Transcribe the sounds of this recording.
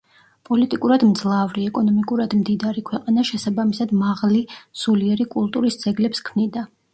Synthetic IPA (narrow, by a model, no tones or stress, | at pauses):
pʼɔlit̪ʼikʼuɾad̪md̪zlˠavɾiɛkʼɔnɔmikʼuɾad̪md̪id̪aɾikʰwɛqʼanaʃɛsabamisad̪maʁlisuliɛɾikʼulˠt̪ʼuɾisd̪z̥ɛɡlɛpskʰmnid̪a